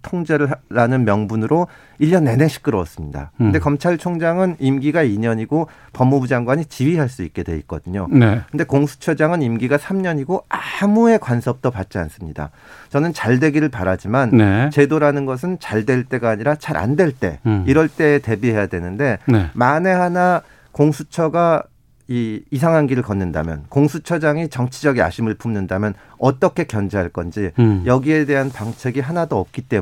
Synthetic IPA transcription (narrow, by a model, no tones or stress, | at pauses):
tʰoŋd͡ʑeɾɯɭɾanɯnmjʌŋbunɯɾo | iʎːʌnːe̞ne̞ɕʰi̥k̚k͈ɯɾʌʌ̰s͈ɯmɲida̰kɯndekʌmt͡ɕʰaɭt͡ɕʰoŋd͡ʑaŋɯnimɡiɡaiɲʌɲiɡo | pʌmːubud͡ʑaŋɡwaɲit͡ɕiɥiɦaɭs͈uik͈̚e̞dwe̞ik̚k͈ʌdɯɲonekɯndekoŋsʰu̥t͡ɕʰʌd͡ʑaŋɯnimɡiɡasʰamɲʌɲiɡoamue̞kwansʰʌp̚t͈ʌpat̚t͡ɕ͈ia̰ns͈ɯmɲida̰ | t͡ɕʌnɯnt͡ɕaɭdwe̞ɡiɾɯɭpaɾad͡ʑimannt͡ɕe̞doɾanɯnɡʌs̬ʰɯnt͡ɕaɭdwe̞ɭt͈e̞ɡaːɲiɾat͡ɕaɾʔa̰ndwe̞ɭt͈e̞̰iɾʌɭt͈e̞ːte̞biɦe̞jadwe̞nɯnde̞nemane̞hana | koŋsʰut͡ɕʰʌɡa | iːsʰaŋɦanɡiɾɯɭkʌnːɯnda̰mjʌ̰nkoŋsʰut͡ɕʰʌd͡ʑaŋit͡ɕʌŋt͡ɕʰid͡ʑʌɡia̰ɕʰimɯɭpʰumnɯndamjʌn | ʌt͈ʌkʰe̞kjʌnd͡ʑeɦaɭk͈ʌnd͡ʑijʌɡie̞de̞ɦanpaŋt͡ɕʰe̞ɡiɦanadoʌp̚k͈it͈e̞